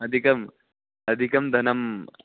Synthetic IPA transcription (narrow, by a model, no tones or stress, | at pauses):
ɐd̪ʱikɐm | ɐd̪ʱikɐmd̪ʱɐnɐm